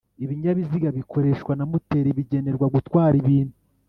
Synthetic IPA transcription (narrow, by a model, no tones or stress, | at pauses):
iβiɲaβiziɡaβikʰo̞ɾe̞ʃkwanamute̞ːɾiβiɟe̞ne̞ɾɡwaɡutwaːɾiβiːnhu